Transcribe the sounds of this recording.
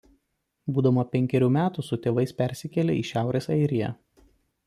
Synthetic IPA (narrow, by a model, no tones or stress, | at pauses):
buːd̪ɐmɐpʲɛŋʲkʲɛɾʲuːmʲæːt̪usʊt̪ʲeːʋɐɪspʲɛɾʲsʲɪkʲɛlʲḛʔiːˑʃʲæˑʊɾʲeːsɐɪɾʲɪjɛ̰